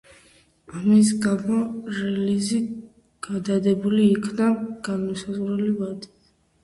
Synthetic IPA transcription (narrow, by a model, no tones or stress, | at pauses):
amis̬ɡamɔɾɛlizi | ɡ̥ad̪ad̪ɛbuliːkʰnaɡ̥anmɔsazʁɾɛlivad̪i̥